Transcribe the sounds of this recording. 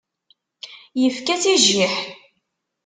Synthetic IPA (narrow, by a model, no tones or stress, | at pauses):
jəfkæθiʒːiħ